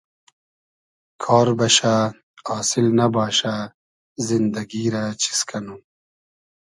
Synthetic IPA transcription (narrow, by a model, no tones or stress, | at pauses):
kʰɑːɾbɐʃa | ɑːsɪlnabɑːʃa | zind̪ɐɡiɾat͡ɕi̥skʰanu